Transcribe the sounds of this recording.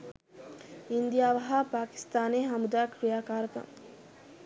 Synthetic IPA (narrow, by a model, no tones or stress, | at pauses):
ind̪ijaːʋɐɦapaːki̥st̪aːneːɦamud̪aːkɾijaːkaːɾəkɐ̰ŋ